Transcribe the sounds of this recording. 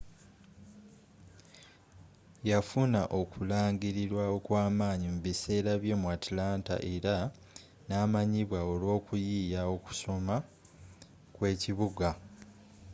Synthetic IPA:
jafunaʔo̞kulaːŋɟiɾiɾwao̞kwaːmaːɲimuβise̞ːɾaβjo̞ːmuatlaːnta̰ʔe̞ɾa | naːmaɲiβwao̞lwo̞ːkujiːjao̞ku̥so̞ma | kwe̞ːciβuɡa

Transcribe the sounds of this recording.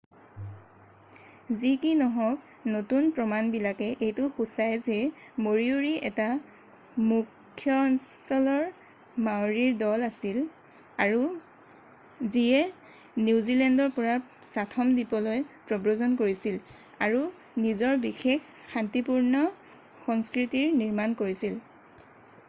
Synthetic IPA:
zikinɔɦɔk̚ | notunpɹɔmanbilakɛʔejtʊxusajzɛmoɹiuɹiɛ̰ta | mukʰːjɔnsɔlɔɹ | mawɹiɹdɔlasil | aɹu | ziɛ | nuzilɛndɔɹpɔɹa | satʰɔmdipɔlojpɹɔbɹozɔnkoɹisil | a̰ɹu | nizɔɹbixekːantipuɹnɔ | xɔŋskɹitiɹniɹmankoɹisil

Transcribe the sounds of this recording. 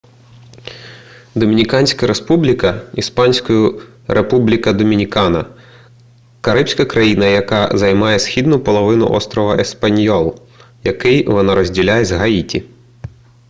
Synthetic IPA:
d̪ɔmʲinʲikɑnʲsʲkɐɾespublʲikɐispɑnʲsʲkɔjʊ | ɾepublʲikɐd̪ɔmʲinʲikɑnɐ | kɐɾɪpsʲkɐkɾɐjinɐjɐkɑzɐjmɑjɛsxʲid̪nʊpɔlˠɔʋɪnʊ̰ʔɔ̰st̪ɾɔʋɐʔespɐnʲjɔlˠ | jɐkɪjʋɔnɑɾɔzʲdʲilʲajɛzʲɦɐitʲi

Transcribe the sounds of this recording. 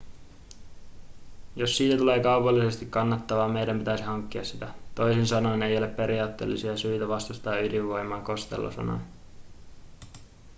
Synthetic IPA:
josːiːt̪æt̪ule̞ːkɑwpɑlːise̞st̪ikkɑnːɑt̪ːɑʋɑːmejdæmpit̪æjsihɑŋkːiɑssit̪æt̪o̞jsensɑno̞jne̞jo̞le̞pːe̞ɾiɑːt̪ːe̞̰ːlːisiɑsyjt̪æʋɑst̪ust̪ɑːydiʋːo̞jmːˑɑːŋko̞st̪ḛlːo̰sɑ̰no̰jn

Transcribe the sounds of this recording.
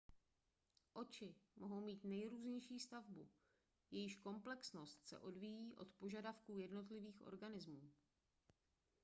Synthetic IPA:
ʔo̞t͡ʃɪmʔoɦo̞wmiːt̪nɛjɾuːzɲɛjʃiːst̪avbṵ | jɛjɪʃko̞mplɛksno̞st̪sɛ̰ʔo̞dvijiːʔo̞̰t̪po̞ʒadafkuːjɛdno̞t̪lɪviːxʔo̰ɾɡanɪzmuː

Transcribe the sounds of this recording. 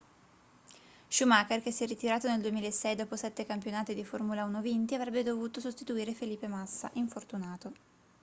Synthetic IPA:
ʃumaːkerk̟esːjɛrːit̪iɾaːt̪oneld̪uemiːlaesːɛjd̪ɔːposɛt̪ːekampjonaːt̪ed̪iformulaunovint̪iavɾɛbːed̪ovuːt̪osost̪it̪uiːɾefeliːpːemasːa̰ʔiɱfort̪unaːt̪o

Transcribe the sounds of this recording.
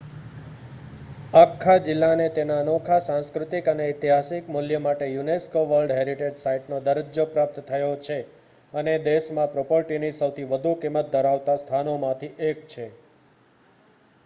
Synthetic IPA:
akʰːad͡ʒɪlːanet̪enanɔkʰasãnskɾut̪ikəneɪt̪iɦasikmuljəmaʈejuneskoʋəɾɖɦeɾiʈed͡ʒsaiʈnod̪əɾəd͡ʒjopɾap̚t̪t̪ʰəjot͡ʃʰe | əned̪eʃmãpɾopəɾʈinisəwt̪ʰiʋəd̪ʱukimːət̪̚d̪ʱəɾaʋt̪ast̪ʰanomãt̪ʰiʔek̚t͡ʃʰe

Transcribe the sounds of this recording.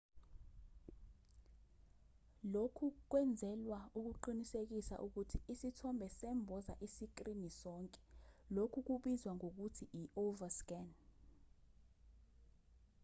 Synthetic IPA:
lokʰuk̬wɛnd͡zʱɛlwauk̬uǃinisek̬isa̰ʔuk̬utʰiisitʰɔmbʱɛsɛmbʱɔza̰ʔisik̬ʼrinisɔːŋkʼɛ̥lokʰuk̬uɓizwaŋok̬utʰiiʔovaskɛn

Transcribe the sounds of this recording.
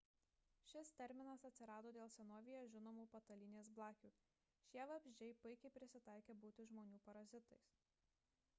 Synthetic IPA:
ʃʲɪst̪ʲɛɾʲmʲɪnɐsɐt̪ʲsʲɪɾɑːd̪oːd̪ʲeːlˠsʲɛnoːʋʲɪjoːʒʲɪnoːmuːpɐt̪ɐlʲɪnʲeːsblˠɑːkʲuː | ʃʲiɛʋɐbʲʒʲd͡ʒʲɛɪpʊɪkʲɛɪpʲɾʲɪsʲɪt̪ɑˑɪkʲeːbuːt̪ʲɪʒmoːnʲuːpɐɾɐzʲɪt̪ɐɪs

